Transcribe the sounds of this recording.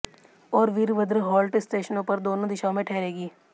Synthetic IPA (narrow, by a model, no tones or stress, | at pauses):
ɔːɾʋiɾʋəd̪ɾəɦɔːlʈɪsʈeːʃənõpɐɾd̪oːnõd̪ɪʃaːõmẽʈʰɛːɾeːɡiː